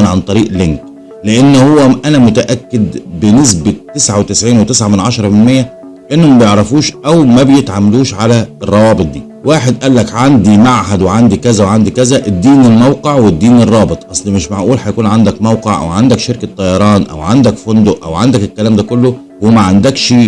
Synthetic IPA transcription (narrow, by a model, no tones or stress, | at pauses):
nʕant̪ˤɑɾiːʔleŋk | leʔenːhowːæʔænæmʊt̪æʔækːed̪benes̬bet̪ːesʕawet̪ɪsʕiːnwet̪esʕamenʕɑʃɑɾˤɑmɪnmejːæ | beʔenːhomæbjeʕɾˤɑfuːʃʔæwmæbejet̪ʕamluːʃʕalæerˤːɑwɑːbet̪̚ˤd̪iː | waːħed̪ʔælːækʕand̪imaʕħad̪weʕand̪ikæzæweʕand̪ikæzæʔed̪ːiːnelmæwqeʕwed̪ːiːnerˤːɑːbet̪ˤʔɑsˤlmeʃmaʕʔuːlħæjkuːnʕand̪ækmæwqeʕʔæ̰wʕand̪ækʃeɾkæt̪ˤːɑjɑɾˤɑːnʔæ̰wʕand̪ækfond̪oʔʔæ̰wʕand̪ækelkːælæːmd̪ækolːo | hoæmæʕand̪ækʃ